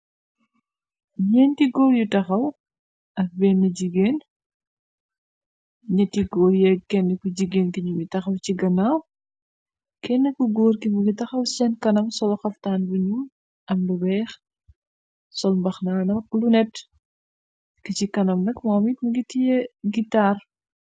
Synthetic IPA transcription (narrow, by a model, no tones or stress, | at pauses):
ɲɛntiɡɔːɾjutɐxɐw | ʔɐk̚bɛnːɐɟiɡeːn | ɲɐtiɡɔːɾjɛkːɛnːəkuɟiɡeːnkiɲuɡitɐxɐwt͡ʃiɡɐnaw | kɛnːəkuɡoːɾkimuɡitɐxɐwsɛnkɐnɐmsɔlɐxɐftaːnbɐɲu | ʔɐmdubɛːx | sɔlmbɐxnaːnɐklunɛt | kicikɐnɐmnɐkmɔːmit̚muɡitijɛɡitaːr